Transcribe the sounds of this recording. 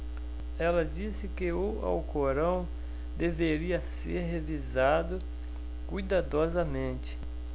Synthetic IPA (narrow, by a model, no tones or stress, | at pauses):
ɛlɐd͡ʒisɪkɪoa̰wkoɾɐ̃w̃ | d̪eveɾiɐseɾɦevizad̪ʊ | kujd̪ad̪ɔzɐmẽnt͡ʃɪ̥